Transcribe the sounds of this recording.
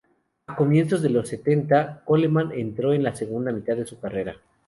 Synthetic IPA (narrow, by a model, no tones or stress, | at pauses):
ako̞mje̞nso̞zðe̞lo̞sːe̞t̪e̞nt̪ako̞lemanʔe̞nt̪ɾo̞e̞nlase̞ɣund̪amit̪aðe̞sukare̞ɾa